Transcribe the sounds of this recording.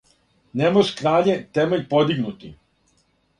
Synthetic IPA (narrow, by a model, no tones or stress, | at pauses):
nemoʒkɾaːʎet̪emeʎʲpod̪iɡnut̪i